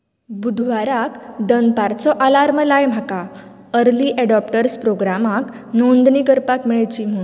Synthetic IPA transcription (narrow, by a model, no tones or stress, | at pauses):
bud̪ʱʋaɾakd̪ənpaɾt͡sɔʔalaɾməlajm̤aka | əɾliʔɛɖɔp̚ʈəɾspɾoɡɾamak | nõnd̪ɳikəɾpakmiɭet͡ɕim̤ũ